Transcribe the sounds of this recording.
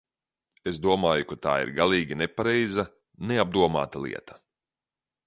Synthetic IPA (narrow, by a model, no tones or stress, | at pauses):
es̬d̪uɔmaːjukat̪a̰ːḭɾɡalˠiːɡʲinepaɾɛjza | neab̚d̪uɔma̰ːt̪alˠḭɛt̪ḁ